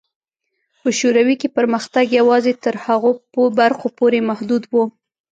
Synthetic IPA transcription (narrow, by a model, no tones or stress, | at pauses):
pəʃoɾawikepəɾməxt̪aɡjawɑzet̪əɾhaɣoəbaɾxopoɾemahd̪ud̪wu